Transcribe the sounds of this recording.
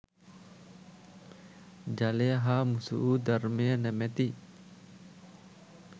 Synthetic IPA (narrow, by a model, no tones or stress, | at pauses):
d͡ʒaleɦamusṵʔud̪armenɛmɛt̪i